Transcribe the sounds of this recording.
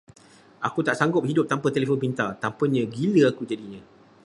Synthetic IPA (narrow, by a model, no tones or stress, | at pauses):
akut̪aʔsaŋɡʊp̚ɦidʊp̚t̪ampət̪elefonpint̪at̪ampəɲə̃ɡiləakud͡ʒadiɲə̃